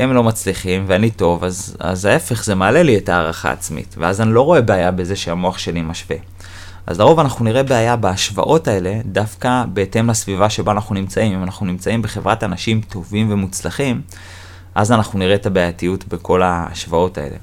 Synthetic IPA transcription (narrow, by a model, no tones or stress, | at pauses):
emlo̞mat͡sliχimveanito̞vaza̰zae̞fe̞χze̞maːle̞lietaːʁaχa̰ːt͡smḭtveazanilo̞ʁo̞e̞beajabe̞ze̞ʃeamo̞aχʃe̞limaʃve̞̰ | ʔa̰zlaʁo̞vanaχnuniʁe̞beajabaːʃva̰ʔo̞tae̞le̞dafkabe̞ːte̞mlasvivaʃeboanaχnunimt͡saimimanaχnunimt͡saimbe̞χe̞vʁatanaʃimtʰo̞vimve̞mut͡slaχim | ʔazanaχnuniʁetabeajatijutbe̞kʰo̞laa̰ʃvao̞ta̰e̞̰le̞̰